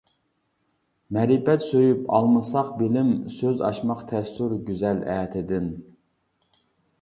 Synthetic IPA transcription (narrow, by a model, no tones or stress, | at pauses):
mɛɾibɛt̪søjypʰɑ̰lˠmɨsɑqbɪlɪmsøzɑ̰ʃmɑqt̪ʰɛst̪yɾɡʲyzɛlɛːt̪ʰɪd̪ɪn